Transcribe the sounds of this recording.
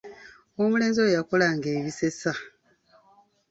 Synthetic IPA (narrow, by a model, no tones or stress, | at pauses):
omule̞ːnzojjakolaŋɡe̞ːβise̞sa